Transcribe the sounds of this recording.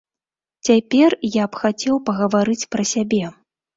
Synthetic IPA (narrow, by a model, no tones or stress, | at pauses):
t͡sʲapʲɛrjapxat͡sʲɛwpɐɣɐvaɾɨt͡sʲpɾɐsʲabʲɛ